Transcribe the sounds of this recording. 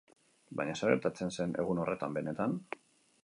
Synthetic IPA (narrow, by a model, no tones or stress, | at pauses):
baɲasaɣeɾt̪at͡se̞nse̞ne̞̰ɣuno̞rʔe̞t̪ambe̞ne̞t̪an